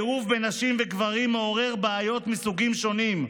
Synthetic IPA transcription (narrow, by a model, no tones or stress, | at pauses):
ʁuvbenaʃimveɡvaʁimːeoʁe̞ʁbaajo̞t̪misuɡimʃo̞nim